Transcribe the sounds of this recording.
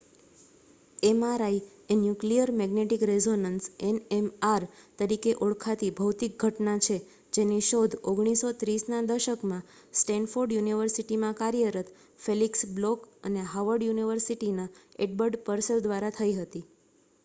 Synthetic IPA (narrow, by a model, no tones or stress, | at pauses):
emaɾai | enjuklijəɾmɛɡneʈikɾezonənsenemaɾt̪əɾikeʔoɭkʰat̪ibʱəwt̪ik̚ɡʱəʈnat͡ʃʰe | d͡ʒeniʃod̪ʱoɡɽ̃isot̪ɾisnad̪əʃəkmã | sʈɛnfoɾɖjuniʋəɾsiʈimãkaɾijəɾət̪ | feliksblɔkəneɦaʋəɾɖjuniʋəɾsiʈinaeɖbəɾɖpəɾsəld̪ʋaɾat̪ʰəiɦət̪i